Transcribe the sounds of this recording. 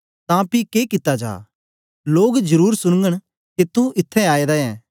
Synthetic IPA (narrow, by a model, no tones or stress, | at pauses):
t̪ãpikeːkɪt̪ːad͡ʒa̰ː | loːɡd͡ʒɐɾuːɾsʊɽ̃ŋɡəɽ̃ | ket̪ũʔɪt̪ʰːɛ̃aːeːd̪aɛ̃ː